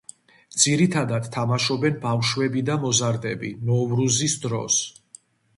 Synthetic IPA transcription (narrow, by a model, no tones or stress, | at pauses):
d̪z̥iɾit̪ʰad̪ad̪̥t̪ʰːamaʃɔbɛnbafʃwɛbid̪amɔzaɾd̪ɛbinɔvɾuzisd̪ɾɔ̰s